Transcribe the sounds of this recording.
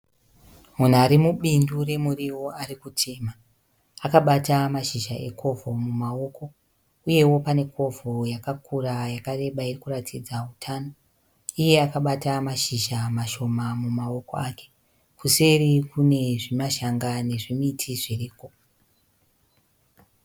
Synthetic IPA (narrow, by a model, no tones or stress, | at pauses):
mun̤uaɾimuɓindure̞muriwo̞arikutʰe̞ma | akaɓatamaʃiʒaʔe̞̰ko̞vʱo̞mumao̞ko̞ | uje̞wo̞pane̞kʰo̞vojakakurajakare̞ɓairikuratʰid͡zautʰano̞ | ije̞akaɓatamaʃiʒamaʃo̞mamumao̞ko̞̰aːke̥ | kuse̞rikune̞ʐimaʃaŋɡane̞ʐimitʰiʐiriːko̞